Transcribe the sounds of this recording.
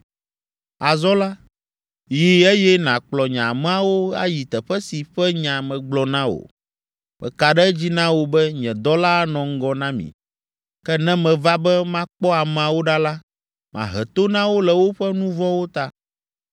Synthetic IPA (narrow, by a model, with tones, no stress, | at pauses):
a˨zɔ˦la˦ | ji˨˦ɛ˦jɛ˦nã˨k͡plɔ˨ɲã˨mɛ̃˦a˨wo˦a̰˦ji˨t̪ɛ˨ɸɛ˦si˨ɸɛ˦ɲã˨mɛ̃˨ɡ͡blɔ˨nã˦wo̰˨ | mɛ̰˨ka˨ɖɛ˦d͡ʑi˦nã˦wo˨bɛ˦ɲɛ̃˨d̪ɔ˦la˦nɔ̃˨ŋ̩˦ɡɔ˦nã˦mḭ̃˨ | kɛ˦nɛ̃˦mɛ̃˨va˦bɛ˦mã˦k͡pɔ˦a˨mɛ̃˨a˨wo˦ɖa˦la˦ | mã̰˨ɦɛ̰˨t̪o˦nã˦wo˦lɛ˨wo˦ɸɛ˦nũ˦vɔ˦wo˦t̪a˦